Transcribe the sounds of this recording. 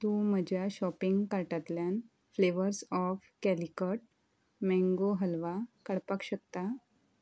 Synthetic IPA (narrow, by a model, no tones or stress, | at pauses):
t̪ũːm̤əd͡ʑʱjaɕɔpiŋɡkaɾʈat̪ljan | fleʋəɾsɔfkælikəʈ̚ | mɛ̃ŋɡoɦəlʋakəɽpakɕək̚t̪a